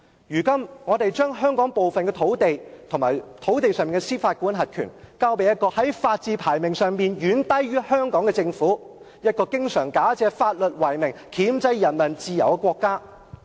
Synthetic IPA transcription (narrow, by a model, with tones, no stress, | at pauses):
jyː˨˩kɐ˥mŋɔː˨˧t̪e˨jt͡ʃœː˥ŋɦœː˥ŋkɔː˨˥ŋpo˨wfɐ˨nkɛː˧t̪ʰo˨˥wt̪e˨jt̪ʰʊ˨˩ŋmaː˨˩jt̪ʰo˨˥wt̪e˨jsœː˨˧ŋmiː˨nŋkɛ˧siː˥faː˧t̚kʷuː˨˥nɦɐ˨t̚kʰy̰ː˨˩nkaː˥wpe˨˧jɐ˥t̚kɔː˧hɐ˨˥jfaː˧t̚t͡siː˧pʰaː˨˩jmɪ˨˩ŋsœː˨ŋmiː˨njyː˨˥nt̪ɐ˥jɥyː˥hœː˥ŋkɔː˨˥ŋkɛ˧t͡sɪ˧ŋfuː˨˥ | jɐ˥t̚kɔː˧kɪ˥ŋsœː˨˩ŋkaː˨˥t͡sɛː˧faː˧t̚lɵ˨t̚wɐ˨˩jmɪ˨ŋkʰiː˨˥mt͡sɐ˧jjɐ˨˩nmɐ˨˩nt͡siː˧jɐ˨˩wkɛ˧kʷwɔː˧kːaː˥